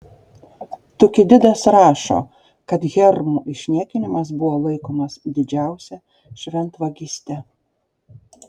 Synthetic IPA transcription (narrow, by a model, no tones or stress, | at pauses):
t̪ʊkʲɪd̪ʲɪd̪ɐsɾɑːʃo̰ː | kɐt̪ɣʲɛɾmuʔɪʃʲnʲiːkʲɪnʲɪmɐs̬bʊʋoːlˠɐɪkoːmɐsd̪ʲɪd͡ʒʲæˑʊsʲɛ | ʃʲʋʲɛnt̪ʋɐɡʲisʲt̪ʲɛ